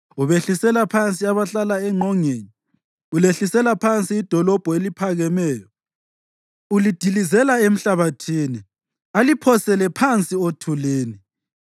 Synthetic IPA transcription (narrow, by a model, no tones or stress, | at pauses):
uβeɬisɛlapʰant͡sʼiaβaɬalaɛŋ͡ǃʱɔŋeːɲi | uleɬisɛlapʰant͡sʼiːd̥ʱɔlɔb̥ʱɔelipʰaɣɛmɛːjɔ | ulid̥ʱilizɛlaem̩ɬaβatʰiːni | alipʰɔsɛlɛpʰant͡sʼiotʰuleːni